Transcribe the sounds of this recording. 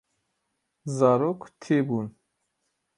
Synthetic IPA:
zaɾɔkʰt̪ʰibun

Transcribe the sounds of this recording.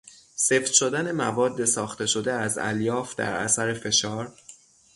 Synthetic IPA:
seft̪ʃo̞d̪æne̞mævɒːd̪ːe̞sɒːxt̪e̞ʃo̞d̪e̞æzæ̰ljɒːfd̪æ̰ɾæ̰sæɾefe̞ʃɒːɾ

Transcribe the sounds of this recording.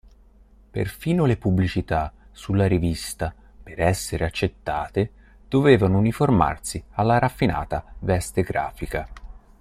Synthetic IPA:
pḛrfiːnolepublit͡ʃit̪asulːaɾivist̪a | peɾɛsːeɾeat͡ʃːet̪ːaːt̪e | d̪̥oveːvanouniforma̰rsialːaɾafːina̰ːt̪avɛst̪eɡɾa̰ːfika

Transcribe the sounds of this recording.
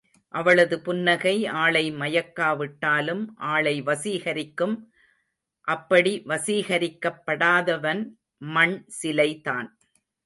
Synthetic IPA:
ʔɐʋɐɭɐðɯpʊnːɐɣɐɪʔaːɭɐɪmɐjɐkːaːʋɪʈːaːlɯmʔaːɭɐɪʋɐsiːɣɐɾɪkːɯm | ʔɐpːɐɽiʋɐsiːɣɐɾɪkːɐpːɐɽaːðɐʋɐn | mɐɳsɪlɐɪt̪aːn

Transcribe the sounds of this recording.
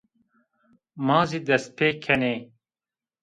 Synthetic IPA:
mɑːziːd̪ɛst̪̚pʰeːkʰɛneː

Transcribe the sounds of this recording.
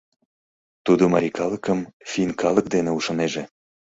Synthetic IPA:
t̪ud̪omɑɾʲikɑləkəmfʲinkɑlˠə̆k̚d̪eneuʃoneʒĕ

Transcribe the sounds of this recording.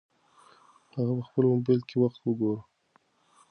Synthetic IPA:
haɣapəxpəlʊmbelkʰewaxt̪wəɡoɾə

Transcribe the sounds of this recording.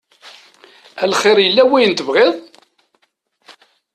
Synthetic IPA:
ælχɪɾˤjəlːæwijənt̪əvʁɪðˤ

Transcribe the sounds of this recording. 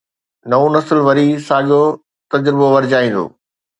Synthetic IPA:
nɐonɐsɪlʋɐɾisaːɠo | t̪ɐd͡ʑɾɪboʋɐɾɪd͡ʑaːĩːn̆d̪o̰ː

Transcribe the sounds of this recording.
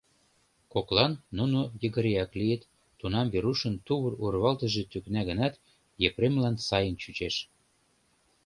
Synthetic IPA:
koklɑnːunojəɣə̆ɾeɑklijət̪ː | unɑmβeɾuʃə̆nt̪uβərurβɑlt̪ə̆ʒĕt̪yknæɣə̆nɑt̪ | jepɾemlɑnsɑjənt͡ɕyt͡ɕeʃ

